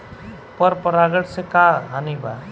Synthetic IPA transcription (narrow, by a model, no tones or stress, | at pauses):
pʌɾpʌɾaɡəɽsekaɦaniba̰